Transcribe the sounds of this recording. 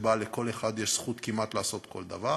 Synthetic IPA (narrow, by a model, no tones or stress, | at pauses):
baleko̞le̞χad̪jeʃsχut̪kimat̪laːso̞t̪kʰo̞̰ld̪a̰va